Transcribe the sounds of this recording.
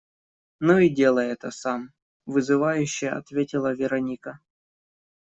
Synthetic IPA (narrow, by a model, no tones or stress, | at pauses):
noidʲe̞lˠəjɛt̪əsam | vɨzɨvajʉɕːɪjɐ̰t̪vʲetʲɪlˠəvʲɪɾɐnʲikə